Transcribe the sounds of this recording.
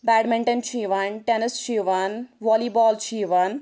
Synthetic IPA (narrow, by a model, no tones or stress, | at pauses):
bɛːɖmẽɳʈɐnt͡ʃʰiːʋaːnʈenɪst͡ʃiːʋaːnʋɔːlibɔːlt͡ʃʰiːʋaːn